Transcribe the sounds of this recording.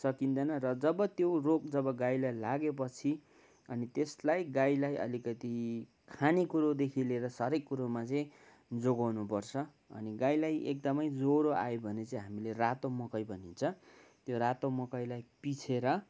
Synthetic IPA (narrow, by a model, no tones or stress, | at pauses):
sʌkind̪ʌnʌrʌd͡zʌbʌt̪jorok̚d͡zʌbʌɡajlajlaɡep̬ʌt͡sʰi | ʌnit̪eslajɡajlajʔʌ̰likʌt̪i | kʰanikuɾod̪ekʰileɾʌsʌɾekːuɾomat͡sʌj̃ | d͡zoɡawnupʌrt͡sʰʌ | ʌ̰niɡajlajʔḛk̚d̪ʌmʌjd͡zoɾoa̰jobʱʌnet͡sʌĩɦamilerat̪omʌkʌjbʱʌnint͡sʰʌt̪joɾat̪omʌkʌjlajpit͡sʰeɾʌ